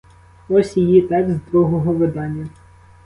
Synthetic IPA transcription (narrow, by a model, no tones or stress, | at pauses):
ɔsʲijit̪ɛksd̪ɾuɦɔɦɔʋɪd̪ɑnʲːɐ